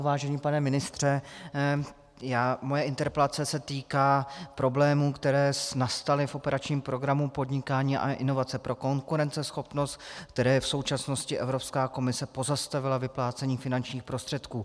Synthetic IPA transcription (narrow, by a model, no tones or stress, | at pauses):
vaːʒɛɲiːpanɛmɪnɪst̪r̝̥ɛ | jaːmojɛʔɪnt̪ɛɾpɛlat͡sɛsɛt̪iːkaːpɾo̞blɛːmuːkt̪ɛɾɛːsnast̪alɪfʔo̞pɛɾʔat͡ʃɲiːmpɾo̞ɡɾamupo̞dɲɪkaːɲiːʔa̰ʔɪno̞vat͡sɛpɾo̞ko̞ŋkuɾɛnt͡sɛsxo̞pno̞st̪̚k̚t̪ɛɾɛːɛfso̞wt͡ʃasno̞scɪʔɛvɾo̞pskaːko̞mɪsɛpo̞zast̪avɪlavɪplaːt͡sɛɲiːfɪnant͡ʃɲiːxpɾo̞st̪r̝̥ɛt̪kuː